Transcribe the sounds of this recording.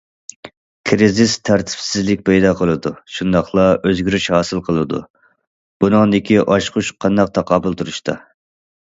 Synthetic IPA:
kʲʰɾizɪst̪ʰæɾt̪ʰɪ̥psɪzlɪkʲpʰɛjd̪ɑːqʰəlˠɨd̪uʃund̪ɑχlˠɑʔøzɡʲyɾyʃhɑːsɨlˠqʰəlˠɨd̪ṵ | b̥unɨŋd̪ɪkʲiʔɑʃqʊʃqʰɑnd̪ɑq̚t̪ʰɑqɑːbʊlˠt̪ʰuɾuʃt̪ʰɑ̰

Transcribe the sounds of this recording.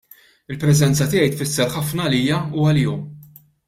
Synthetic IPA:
ɪlpɾɛzɛnt͡sɐt̪ɪːjɛjt̪fɪsːɛɾħɐfnɐliːjɐuːwɐliːɔm

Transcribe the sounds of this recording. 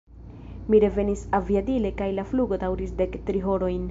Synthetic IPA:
miɾe̞ve̞nisaviadile̞kajlafluɡo̞dawɾisde̞ktɾiɦo̞ɾo̞jn

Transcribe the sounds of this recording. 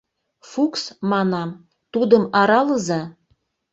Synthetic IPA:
fuksmɑnɑm | t̪ud̪əmɑɾɑləzɑ

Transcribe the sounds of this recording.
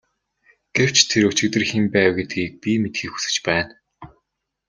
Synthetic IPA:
ɡ̥ew̥t͡ɕt̪ʰeɾɵt͡ɕɪ̆k̚t̪ɘ̆rxempæːwɡet̪ɡiːk̚pʲimet̪xiːkxu̥sɘ̆t͡ɕpæːn

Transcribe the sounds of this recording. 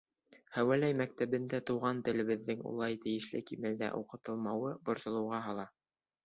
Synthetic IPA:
hæwælæjmæk̚t̪æβɘ̆nd̪æt̪uwʁɑnt̪ɘ̆lɘ̆βɘ̆ðːɘŋṵlˠɑjt̪ɘ̆jɘ̆ʃlɘkimæld̪æ̰ʔuqɤ̆t̪ɤ̆lˠmɑwɤbŏɾsŏlˠɤ̆wʁɑɦɑlˠɑ

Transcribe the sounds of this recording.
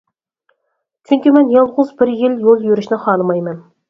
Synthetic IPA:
t͡ʃʲʰyŋʲkʲimɛnjɑlˠʁʊzbɪɾjɪljolˠjøɾyʃnɪχɑːlɨmɑjmɛn

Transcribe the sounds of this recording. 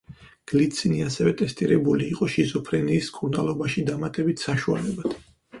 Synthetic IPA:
ɡ̥lit̪sʰʼiniasɛvɛt̪ʼɛst̪ʼiɾɛbuliːqʼɔʃizɔpʰɾɛniːskʼuɾnalˠɔbaʃid̪amat̪ʼɛbit̪ʰsaʃua̰lɛbad̪̥

